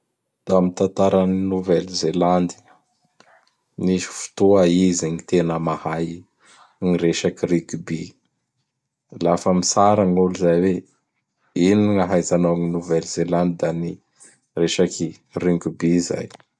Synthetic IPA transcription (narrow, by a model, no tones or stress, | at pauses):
d̪̥amit̪ant̪aɾaninuvɛlzeland̪i̥ | nisi̥fu̥t̪oaizinit̪enəmahaj | ŋiɾeʃakirikubi | lafəmisaɾaŋuluzajwe | iniŋaɦajzanoŋinuvɛlzeland̪id̪ani | reʃaki | riŋɡubiza̰j